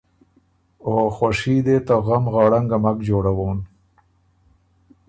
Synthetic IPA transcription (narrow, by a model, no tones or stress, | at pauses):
oxwaʂiːd̪et̪aɣamɣɑːɽaŋɡamakd͡ʒoːɽawon